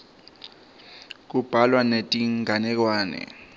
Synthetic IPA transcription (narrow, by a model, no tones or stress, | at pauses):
k̬ub̥ʱalwanetʼiŋɡʱanɛk̬waːnɛ̰